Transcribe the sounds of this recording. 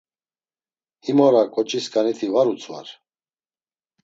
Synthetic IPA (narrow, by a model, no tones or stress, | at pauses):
himɔɾakʼɔt͡ʃʼiskʼanit̪ʰivaɾut͡sʰʼva̰ɾ